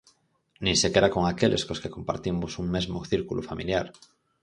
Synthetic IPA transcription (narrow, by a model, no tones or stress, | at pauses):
nĩŋsekeɾako̞ŋakelʔe̞skoskeko̞mpa̰ɾt̪imosuŋmezmoθiɾkulʔufamiljaɾ